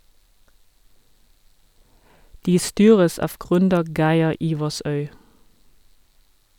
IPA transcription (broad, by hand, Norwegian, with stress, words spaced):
ˈdiː ˈstyːʁəs ˈɑːʋ ˈɡʁʏndəɾ ˈɡæɪɛ ˈiːʋɑsœʏ